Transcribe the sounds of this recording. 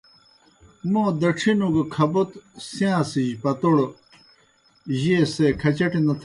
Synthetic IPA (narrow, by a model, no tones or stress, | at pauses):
moːd̪ɐʈ͡ʂʰinuɡɐkʰɐbot̪sjãːsiʑpɐt̪oɽ | ʑesekʰɐt͡ɕɐʈinɐt̪ʰ